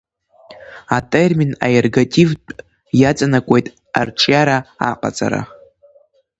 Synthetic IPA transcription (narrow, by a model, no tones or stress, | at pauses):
atʼermina̰jerɡatʼivpʼ | jat͡sʼanakʷʼe̞jtʼ | a̰rʈ͡ʂʰʼjaɾaa̰qʼa̰t͡sʼa̰ɾa̰